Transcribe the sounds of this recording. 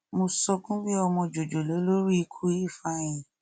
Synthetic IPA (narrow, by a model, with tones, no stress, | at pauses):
mo˧sɔ˧kũ˦bi˦ɔ˧mɔ̃˧d͡ʒo˨d͡ʒo˨lo˨˦lo˦ɾi˦˧kʰu˦i˦˨fa˧j̃ĩ˨